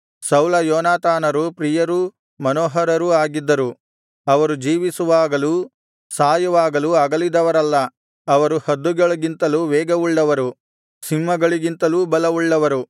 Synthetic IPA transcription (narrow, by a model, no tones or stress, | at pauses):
sɐwlɐjɔːnaːt̪aːnɐɾupɾijɐɾu | mɐnoːɦɐɾɐɾuaːɡid̪ːɐɾu | ɐʋɐɾud͡ʒiːʋisuʋaːɡɐlu | saːjɐʋaːɡɐluɐɡɐlid̪ɐʋɐɾɐlːɐ | ɐʋɐɾuhɐd̪ːuɡɐɭɐɡint̪ɐluːʋɛːɡɐʋuɭːɐʋɐɾu | simːɐɡɐɭiɡint̪ɐluːbɐlɐʋuɭːɐʋɐɾu